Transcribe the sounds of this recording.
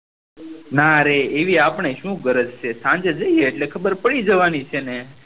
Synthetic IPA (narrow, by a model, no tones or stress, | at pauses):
naɾeːʋiapɳ̃eʃũɡəɾəd͡ʒt͡ʃʰesãnd͡ʒed͡ʒəjeːʈlekʰəbəɾpəɽid͡ʒəʋanit͡ʃʰene